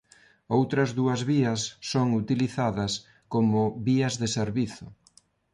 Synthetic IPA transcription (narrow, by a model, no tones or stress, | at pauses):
owt̪ɾɐzðuɐzβiɐsːoŋut̪iliθaðɐs | komʊβiɐzðeseɾβiθʊ